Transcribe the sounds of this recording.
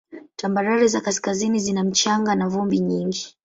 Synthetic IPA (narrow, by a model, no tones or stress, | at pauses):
tambaɾaɾɛzakaskazinizinam̩t͡ʃaŋɡanavumbiɲiŋɡi